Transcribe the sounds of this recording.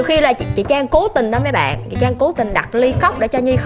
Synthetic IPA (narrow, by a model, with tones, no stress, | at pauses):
wxi˧laː˨˩t͡ɕḭ˧˨t͡ɕaː˧ŋko˨˦t̪ï˨˩ŋ̟ɗɔ˨˦məː˨˦jɓa̰ː˧˨nt͡ɕḭ˧˨t͡ɕaː˧ŋko˨˦t̪ï˨˩ŋɗa˨˩t̚li˧xə˦˥wk͡p̚ɗḛ˧˩˦t͡ɕɔ˧ɲi˧x